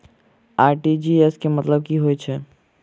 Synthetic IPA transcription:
aːɾʈid͡ʒieskemɐt̪ləb̚kiɦoːɛt͡ʃʰɛ

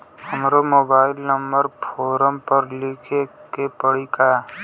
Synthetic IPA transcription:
həmɾomoːbaːɪlnəmbəɾpʰoːɾəmpəɾlɪkʰekepəɽika

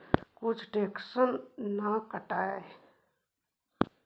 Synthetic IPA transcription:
kʊt͡ʃʰʈeːksənːəkəʈaːe

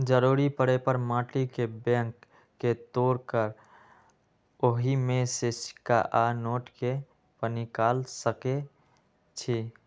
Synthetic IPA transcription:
d͡ʒəɾuɾipəɽepəɾmãːʈikebɛ̃ŋkː | et̪oːɾkəɾ | oɦimẽsesi̥kaʔanoːʈke | pənikaːlsəke | t͡ʃʰi

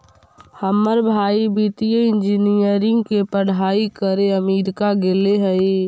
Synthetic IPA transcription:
həməɾbʱaːibiːt̪ijəɪ̃nd͡ʒinijəɾɪ̃ŋɡkepəɽ̤aːikəɾeəmiːɾkaɡeːleɦəi

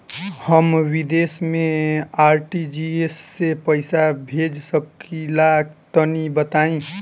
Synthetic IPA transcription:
həmwid̪esmẽaɾʈid͡ʒiesːepəɪsabʱed͡ʒsəkilakt̪ənibət̪aĩ

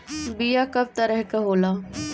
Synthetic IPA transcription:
bijakɐb̚t̪ɐɾəɦkɐɦoːlaː

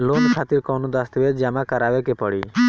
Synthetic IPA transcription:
lonkʰat̪iɾkɔwnod̪ast̪bed͡ʒamakaɾabekepɔɽi

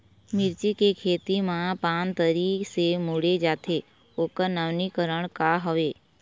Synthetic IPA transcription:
mɪɾt͡ʃikekʰeːt̪imãpaːnt̪əɾiksemoɽed͡ʒaːt̪ʰe | oːkənaʋnikəɾəɳ̃kaɦoʋeː

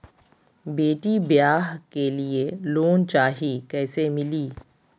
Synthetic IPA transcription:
beːʈibjaːɦkelieloːnt͡ʃaːɦikɛːsemɪliː

